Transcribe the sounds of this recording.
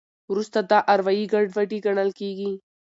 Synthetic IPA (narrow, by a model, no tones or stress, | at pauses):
wɾust̪ad̪aʔɐɾʋaiɡɐɖʋɐʈiɡɐɽ̃əlkeːɡi